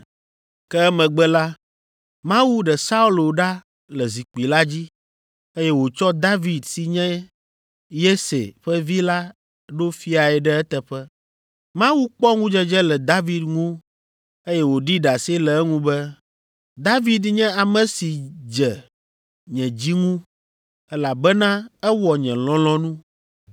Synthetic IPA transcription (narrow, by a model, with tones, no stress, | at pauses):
kɛ˦ɛ˦mɛ̃˨ɡ͡bɛ˦la˦ | mã˦wu˦ɖɛ˨sa˦u˦lo˨ɖa˦ | lɛ˨zi˨k͡pi˨la˦d͡ʑi˦ | e˦jɛ˦wo˨t͡ʃɔ˦d̪a˦vi˨d̪si˨ɲɛ̃˦ | je˦sḛ˨ɸɛ˦vi˦la˦ | ɖo˦fi˦a˨ɛ˨ɖɛ˦ɛ˦t̪ɛ˨ɸɛ˦ | mã˦wu˦k͡pɔ˦ŋũ˦d͡ʒɛ˦d͡ʒɛ˦lɛ˨d̪a˦vi˨d̪ŋũ˦ | e˦jɛ˦wo˨ɖi˦ɖa˨se˦lɛ˨ɛ˦ŋũ˦bɛ˦ | d̪a˦vi˨d̪ɲɛ̃˦a˨mɛ̃˨si˨d͡ʒɛ˨ | ɲɛ̃˨d͡ʑi˦ŋũ˦ | ɛ˦la˨bɛ˦nã˦ɛ˦wɔ˨ɲɛ̃˨lɔ̃˦lɔ̃˦nũ˦